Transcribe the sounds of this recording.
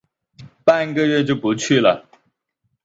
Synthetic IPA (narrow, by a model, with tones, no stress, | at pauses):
pa˥˧nɡə˥˧ɥɛ˥˧t͡ɕjo˥˩ʊpu˧˥t͡ɕʰy˥˩lə̰˩